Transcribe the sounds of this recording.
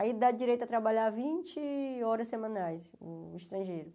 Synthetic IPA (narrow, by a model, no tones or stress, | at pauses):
aid̪ad͡ʒiɾejt̪ʊɐt̪ɾabaʎavĩt͡ʃɪɔɾɐssemɐ̃najs | ʊiʃt̪ɾɐ̃ʒejɾʊ